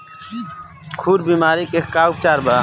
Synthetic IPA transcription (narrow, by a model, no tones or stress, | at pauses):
kʰuːɾbiːmaːɾikekkaːup̚t͡ʃaːɾbaː